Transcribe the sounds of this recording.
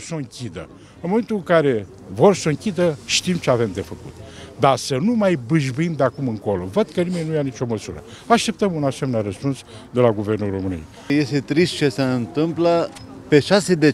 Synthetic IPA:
soɨŋkʲid̪ə̰ | ɨnmoe̞nt̪uɨŋkaɾe̞ | vo̞rsoɨŋkʲid̪əʃt̪imt͡ʃeave̞md̪e̞fəkṵt̪d̪asənumajbɨʒbɨimd̪eakumɨŋko̞lo̞̰vəd̪̥kənime̞nʲnujanit͡ʃo̞məsuɾə̰ | aʃt̪e̞p̚t̪əmunasemenaɾəspuns | d̪e̞laɡuve̞rnulro̞mɨnḭḛj | je̞st̪et̪ɾist̪̚t͡ʃe̞seɨnt̪ɨmpla | pe̞ʃased̪e

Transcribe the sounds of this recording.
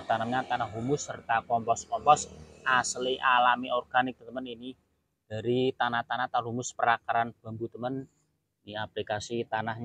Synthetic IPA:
t̪anamɲat̪anaɦɦumʊsːərt̪akɔmpɔskɔmpɔsʔasliʔalamiɔrɡ̥anɪk̪̚ət̪əmənini | d̥a̤ɾit̪anaht̪anaht̪anɦumʊspəɾakaɾanb̥a̤mbut̪əmən | niaplikasit̪anahɲ

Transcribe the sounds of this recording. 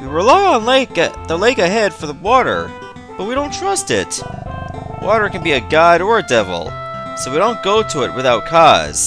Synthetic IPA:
wɨɹɪlaɪə̃nleɪk̚ɨðəleɪkɨɦɛd̥fə˞ðəwɔɾə̰˞ | b̥ʌt̚widõʊ̃ntʰɹ̥ʌstɪ̰t | wʔɔɾə˞kɨ̃n̩biɨɡaɪɾə˞ɨdɛvl̩ˠsoʊwiɾõʊ̃nɡ̥oʊɾɨɪ̰t̚wɨθaʊt̚kʰɑz̥

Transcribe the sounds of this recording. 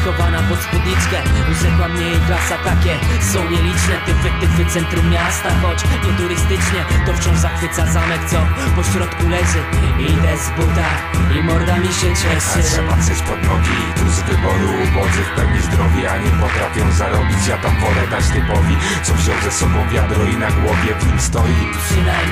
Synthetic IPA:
kɔvanapɔt̪spud̪ɲit̪skɛzɛkwamɲɛjɛvlasat̪akʲɛsɔ̃w̃ɲɛlʲit͡ʂnɛt̪ɛvɪk̚t̪ɪvɨt̪sɛnt̪ɾumːjast̪axɔt͡ɕɲɛt̪uɾɘst̪ɘt͡ʂɲɛt̪ɔft͡ɕɔ̃w̃ʐzaxfɘt̪sazamɛkt̪sɔpɔɕɾɔt̪kulɛzɘid̪ɛzbut̪a | imɔɾd̪amʲiɕɛɕɛɛɛmat̪sɛt͡ɕpɔd̪nɔɡʲi | t̪uzvɘbɔɾubɔzɨfpɛwɲizd̪ɾɔvʲiaɲɛpɔt̪ɾafʲjɔ̃w̃zaɾɔbʲit͡ɕjat̪amvɔlɛd̪at͡ɕt̪ɛpɔvʲi | t̪sɔfɕɔ̃w̃zɛsɔbɔ̃w̃vʲjad̪ɾɔinaɡwɔvʲjɛvɲimst̪ɔji | nɛ

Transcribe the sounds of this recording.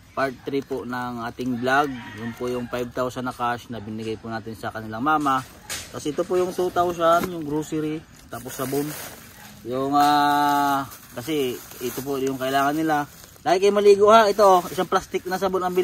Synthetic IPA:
paɹt̪̚ːɾiponɐŋʔaːt̪ɪŋblaɡ̚jʊnpʊjʊŋpajb̚t̪awsɐnːɐkaʃnɐbɪnɪɡajpʊnaːt̪ɪnsɐkɐnɪlaŋmaːma | t̪ɐsʔɪt̪opʊʔjʊŋt̪ut̪aws̬anjʊŋɡɾusɪɾi | t̪aːposːɐbon | jʊŋa | kɐsɛʔɪt̪op̬oʔjʊŋkɐʔɪlaːŋɐnːɪla | laːɡɪt̪̚kɐjʊmɐliːɡohaʔɪt̪oʔɪsaŋplast̪ɪk̚nɐsɐbonɐŋbɪl

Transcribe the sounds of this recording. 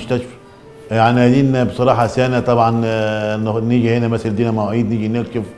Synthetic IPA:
ʃt̪æʃf | jaʕnihæd̪iːnbesˤɑɾˤɑːħɑsæːnæt̪ˤɑbʕɑn | niːɡihenæmæsæld̪iːnæmoʕiːd̪niːɡinelkef

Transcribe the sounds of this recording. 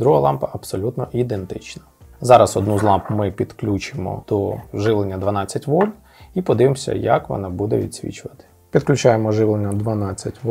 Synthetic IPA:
d̪ɾuɦɐlˠɑmpɐʔɐpsɔlʲut̪nɔʔid̪ent̪ɪt͡ʃnɐ̥zɑɾɐsɔd̪nuzlˠɑmpmɪpʲid̪klʲut͡ʃɪmɔ̰d̪̥ɔʒɪʋlˠenʲːɐd̪ʋɐnɑt͡sʲːɐtʲʋɔlʲ | ipɔd̪ɪʋɪmɔsʲɐ̰jɐ̰kʋɔ̰nɑbud̪ɛ̰ʋʲḭd̪ʲsʲʋʲḭt͡ʃʊʋɐt̪ɪ̥ | pʲid̪klʲʊt͡ʃɑjemɔʒɪʋlˠenʲːɐd̪ʋɐnɑt͡sʲːɐtʲʋ

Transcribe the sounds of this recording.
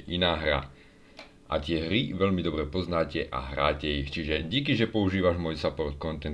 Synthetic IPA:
ʔinaːɦɾa̰ | ʔa̰t̪ɪɛɦɾiʋɛʎmid̪ɔbɾɛpɔznaːcɛʔa̰ɦɾa̰ːcɛixt͡ʃiʒɛɟikiʒɛpɔuʒiːʋaʒmɔjsapɔrt̪̚kɔnt̪ɛn

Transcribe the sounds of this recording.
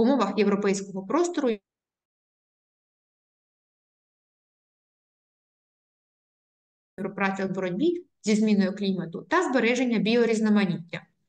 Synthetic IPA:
ʊmɔʋɐxje̞wɾɔpɛjsʲkɔɦɔpɾɔst̪ɔɾʊ | ʋɾɔpɾɑt͡sʲɐbɔɾɔdʲbʲi | zʲizmʲinɔjʊklʲimɐt̪ʊt̪ɐzbeɾɛʒe̞nʲːɐbʲijɔɾʲiznɐmɐnʲitʲːɐ

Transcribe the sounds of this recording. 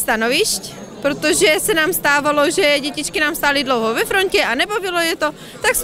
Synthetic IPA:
st̪anoviʃcpɾot̪oʒɛsɛnaːmst̪aːvaloʒɛɟɛcit͡ʃkinaːmst̪aːlidlowɦovɛfɾoncɛʔanɛbobilojɛt̪o | t̪aks

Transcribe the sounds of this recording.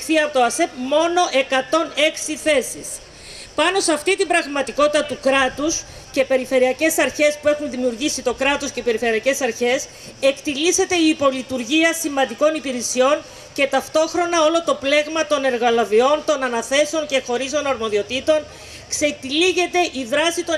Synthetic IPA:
θiɐpot̪oɐsep̚mo̞no̞ʔe̞kɐt̪o̞ne̞ksiθe̞sḭs | pɐno̞seɐft̪it̪ibɾɐɣmɐt̪iko̞t̪it̪ɐt̪ukɾɐt̪us | ce̞pe̞ɾife̞ɾiɐce̞sɐɾçe̞spue̞xunðimiuɾʝisit̪o̞kɾɐt̪osce̞pe̞ɾife̞ɾiɐce̞sɐɾçe̞s | e̞kt̪ilise̞t̪e̞iːpo̞lit̪uɾʝiɐsimɐnd̪iko̞nipiɾesio̞n | ce̞t̪ɐft̪o̞xɾo̞nɐo̞lo̞t̪o̞ple̞ɣmɐt̪o̞ne̞ɾɣɐlovio̞nt̪o̞nɐnɐθe̞seo̞ɲce̞xo̞ɾist̪o̞nɐɾmo̞ðio̞t̪it̪o̞n | kset̪iliʝe̞t̪e̞ʔiðɾɐsit̪o

